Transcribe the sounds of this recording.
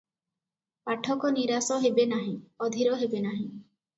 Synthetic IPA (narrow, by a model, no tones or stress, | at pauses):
paʈʰɔkɔniɾasɔɦebenaɦĩɔd̪ʱiɾɔɦebenaɦĩ